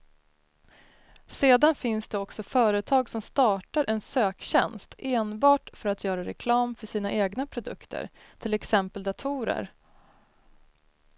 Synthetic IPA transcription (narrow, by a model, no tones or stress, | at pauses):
seːd̪anfɪnsd̪ɛɔksɔfœːɾət̪ʰɑːɡsɔmst̪ɑːʈaɾʔɛnsøːkɕɛ̰nst̪eːnbɑːʈfœɾat̪ʰjœːɾaɾɛkʰlɑːmfœʂiːnaʔeːɡnapʰɾʊd̪ɵ̰kt̪ʰə̰ɾ | t̪ʰɪlɛksɛmpəld̪at̪ʰuːɾə̰ɾ